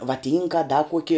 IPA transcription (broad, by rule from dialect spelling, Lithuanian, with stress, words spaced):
ʋɐˈtʲiːŋkɐ ɐ dɐ ˈkuɔkʲɪ